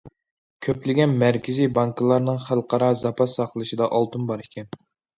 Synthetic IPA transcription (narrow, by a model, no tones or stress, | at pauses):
kʲʰøplɪɡʲɛnmæɾkʲɪzijbɑŋkɨlˠɑɾnɨŋχælˠqɑɾɑzɑpʰɑsɑqʰlˠɨʃɨd̪ɑʔɑlˠt̪ʰɨnbɑɾikʲʰɛn